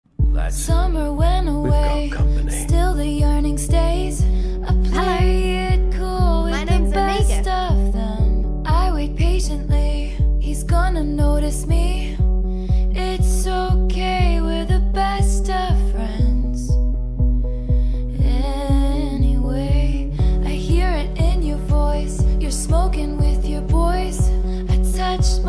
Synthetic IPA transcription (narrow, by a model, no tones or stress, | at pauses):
sʌmə˞wɛ̃nəweɪ | sstɪlˠðɨjɜ˞nɪ̃ŋsteɪz | əpʰl̥eɪd̚kʰuɔlˠwɪðɨbɛstʌvðə̃m | ʔaɪwipʰeɪʃɨ̃nʔli | izɡɔ̃nɨnoʊɾɨsmi | ɪtsoʊkʰeɪwɪðɨbɛstʌv̥fɹɛ̃ndz̥ | ɛ | niweɪ | ʔaɪhiɹɪɾɪ̃njə˞vɔɪsjə˞smoʊkɪ̃ŋwɪðjə˞vɔɪs | aɪtʰʌt͡ʃ